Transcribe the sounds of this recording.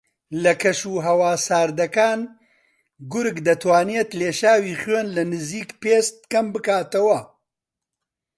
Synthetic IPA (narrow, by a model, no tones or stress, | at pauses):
lɐkʰɐʃuːɦɐwaːsaːɾd̪ɐkaːn | ɡʊɾɡd̪ɐt̪ʰwaːnijet̪leːʃaːwiːχweːnlɐnɨziːkpeːst̪̚kɐmbɨkaːt̪ɐwɐ